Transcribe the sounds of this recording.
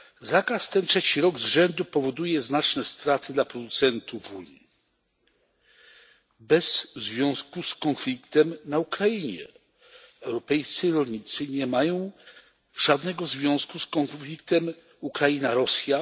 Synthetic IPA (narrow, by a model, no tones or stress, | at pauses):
zakast̪ɛntʂɛt͡ɕiɾɔɡzʐɛnd̪upɔvɔd̪ujɛznat͡ʂnɛst̪ɾat̪ʰɘd̪lapɾɔd̪ut̪sɛnt̪uvvuɲi | bɛzzvʲjɔ̃w̃skuskɔnflʲikt̪ɛmnaukɾajiɲɛ̰ | ɛwɾɔpɛjt̪sɘɾɔlʲɲit̪sɘɲɛmajɔ̃w̃ | ʐad̪nɛɡɔzvʲjɔ̃w̃skuskɔnfʲlʲik̚t̪ɛm | ukɾainaɾɔsʲja